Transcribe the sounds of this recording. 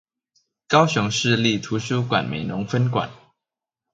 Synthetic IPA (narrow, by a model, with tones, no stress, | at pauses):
kɑ˦ʊɕʊ˧˦ŋʂɻ̩˥˧li˥˨t̪ʰu˨˥˦ɕ̬u˥kwa̰˨˩nmḛ˨˩ɪnʊ˧˦ŋfə˦nkwa̰˨˩˦n